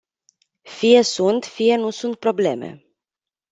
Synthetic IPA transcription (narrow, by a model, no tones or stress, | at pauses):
fije̞sunt̪fije̞nusunt̪̚pɾo̞ble̞̰me̞̰